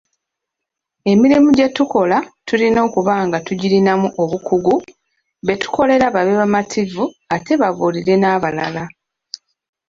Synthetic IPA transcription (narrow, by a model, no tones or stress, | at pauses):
e̞miɾimuɟe̞tuko̞latulino̞ːkuβaːŋɡatuɟilinamuʔo̞βukuɡu | βe̞tu̥ko̞le̞ɾaβaβeβamatʰivuate̞βaβuliɾe̞naːβala̰la